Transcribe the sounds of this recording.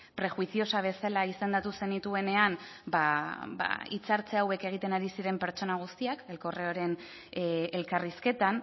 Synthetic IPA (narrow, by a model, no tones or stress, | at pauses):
pɾe̞xwisio̞saβ̞e̞salaise̞nd̪at̪use̞nit̪ue̞ne̞anbaba̰ḭt͡saɾt͡seawe̞ke̞ɣ̞it̪e̞naɾisiɾe̞mpe̞ɾt͡ʃo̞naɣ̞ust̪iakelko̞reoɾe̞n | elkariske̞t̪an